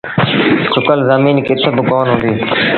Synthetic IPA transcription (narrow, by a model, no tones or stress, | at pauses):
sʊkəlzamiːnkɪt̪ʰebɪkoːnɦʊ̃nd̪iː